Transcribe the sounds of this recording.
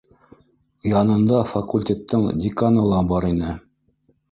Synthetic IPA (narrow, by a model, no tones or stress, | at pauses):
jɑnɤ̆nd̪ɑfɐkulʲtʲet̪ːɤɴdʲɪkanɤlˠɑbɑɾinɘ